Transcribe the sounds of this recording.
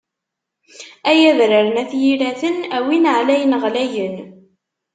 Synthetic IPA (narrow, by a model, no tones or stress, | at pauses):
æjæðɾəɾənæθjilæθənæwinʕlæjənʁlæjən